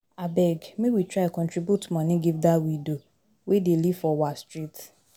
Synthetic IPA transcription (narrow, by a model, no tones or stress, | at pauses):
abɛɡmewitʰɹakɔ̃ntɹibjutmãnĩɡivdawido | wedelifɔwastɹit